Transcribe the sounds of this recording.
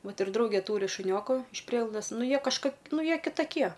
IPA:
ˈʋɐt ɪr ˈdrɐʊɡʲeː ˈtuːrʲɪ ʃʊˈnʲoːkʊ ɪʃ ˈpʲrʲiɛɡlˠɐʊdɐs ˈnʊ ˈjiɛ kɐʃˈkoːk ˈnʊ ˈjiɛ kʲɪtɐˈkʲiɛ

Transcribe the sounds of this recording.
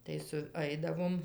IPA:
tɐɪ sʊˈɐɪdɐʋoːm

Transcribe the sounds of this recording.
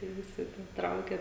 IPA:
kɐɪ ˈʋʲɪsʲɪ tʲiɛ ˈtrɐʊkʲɛ

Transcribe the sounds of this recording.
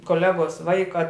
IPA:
koːˈlʲæːɡoːs ˈʋɐɪkɐ

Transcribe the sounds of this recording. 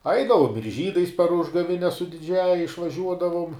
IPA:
ˈɐɪdɐʋoːm ɪr ˈʒʲiːdɐɪs pɐr ˈʊʒɡɐʋʲɪnʲɛs sʊ dʲɪˈd͡ʒʲæːjɛ ɪʃʋɐˈʒʲuɔdɐʋʊm

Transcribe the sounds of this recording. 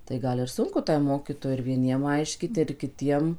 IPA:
tɐɪ ˈɡɐlˠ ɪr ˈsʊŋkʊ ˈtɐɪ ˈmoːkʲiːtoːjɛɪ ɪr ʋʲiɛˈnʲiɛm ˈɐɪʃʲkʲiːt ɪr kʲɪˈtʲiɛm

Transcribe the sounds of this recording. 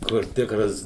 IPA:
kʊr ˈtʲɪkrɐs

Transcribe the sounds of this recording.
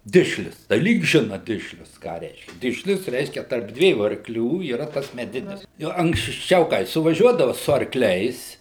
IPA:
ˈdʲɪʃʲlʲʊs tɐɪ ˈlʲiːk ˈʒʲɪnɐ ˈdʲɪʃʲlʲʊs kɑː ˈrʲɛɪʃʲkʲɛ ˈdʲɪʃʲlʲʊs ˈrʲɛɪʃʲkʲɛ tɐrp ˈdʲʋʲiɛjuː ɐrkˈlʲuː iːˈrɐ ˈtɐs mʲɛˈdʲɪnʲɪs ˈjoː ɐŋksʲˈt͡ʃʲɛʊ kɐɪ sʊʋɐˈʒʲuɔdɐʋɐ sʊ ɐrˈklʲɛɪs

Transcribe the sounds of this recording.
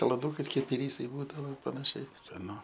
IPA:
kɐlˠɐˈduːkɐɪs ˈkɐɪp ɪˈrʲiːsɐɪ ˈbuːdɐʋoː pɐnɐˈʃʲɛɪ skɐˈnʊ

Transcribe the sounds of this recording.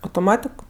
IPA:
ɐʊtoːˈmɑːtʲɪk

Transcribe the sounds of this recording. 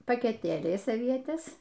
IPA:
pɐkʲɛˈtʲeːlʲɛɪs ɐˈʋʲiɛtʲɛs

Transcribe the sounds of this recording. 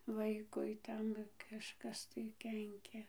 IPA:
ˈʋɐɪkʊɪ ˈtʲɛn kɐʃˈkɐs tɐɪ ˈkʲɛŋʲkʲɛ

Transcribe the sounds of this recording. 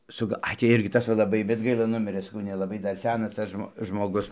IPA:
sʊ ˈɡɐ ˈɐɪ tʲiː ˈɪrʲɡʲɪ ˈtɐs ʋɐ lˠɐˈbɐɪ bʲɛt ˈɡɐɪlˠɐ ˈnʊmʲɪrɘ sɐˈkɐʊ nʲɛlˠɐˈbɐɪ ˈdɐr ˈsʲæːnɐs ˈtɐs ʒmoː ʒmoːˈɡʊs

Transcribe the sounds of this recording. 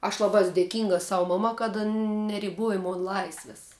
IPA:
ɐʃ ˈlˠɑːbɐ ˈɛs dʲeːˈkʲɪŋɡɐ ˈsɐʊ ˈmɑːmɐ kɐt ˈɐn nʲɛrʲɪˈboːjɛ ˈmoːn ˈlˠɐɪsʲʋʲɪs

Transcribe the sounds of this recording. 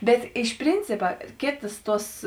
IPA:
ˈbʲɛt ˈɪʃ ˈpʲrʲɪnʲt͡sʲɪpɐ ˈkʲeːtɐs ˈtuɔs

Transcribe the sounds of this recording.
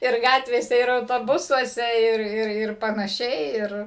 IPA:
ɪr ˈɡɑːtʲʋʲeːsʲɛ ɪr ɐʊtoːˈbʊsuɔsʲɛ ˈɪr ˈɪr ɪr pɐnɐˈʃʲɛɪ ˈɪr

